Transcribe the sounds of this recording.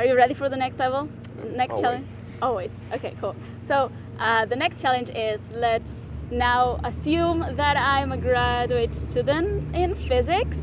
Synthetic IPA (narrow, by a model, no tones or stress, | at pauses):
ə˞jɨɹɛɾifə˞ðɨnɛkstˡlɛvəl̩ˠ | nɛkst͡ʃʰælˠə̃nd͡ʒ | ɔlˠwiz̥ʔoʊkʰeɪkʰulˠ | soʊ | ʔʌðɨnɛkst͡ʃʰælˠɨ̃nd͡ʒɪzlɨtsnaʊəsjʉ̃mðɨɾãɪ̃mɨɡɹæd͡ʒʉeɪtstʰʉdⁿə̃ntɪ̃nfɪzɪks